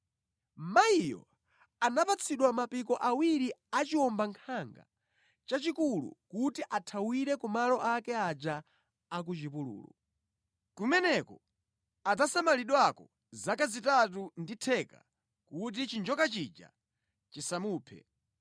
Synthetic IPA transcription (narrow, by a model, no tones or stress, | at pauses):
maijɔ̰ | anapat͡sʰiɗwamapik̬ɔʔawiɾiat͡ʃiwɔmbaŋkʰaŋɡa̰ | t͡ʃat͡ʃikulṵkutiʔatʰawiɾɛkumalɔʔakɛad͡ʒaː | k̬ut͡ʃipulṵːlɔ̰ | kumɛnɛkɔ | atasamaliɗwakɔ | zakazitat̬unditʰɛka̰ | kut̬it͡ʃind͡ʒɔkat͡ʃid͡ʒa̰ | t͡ʃisamuːpʰɛ̰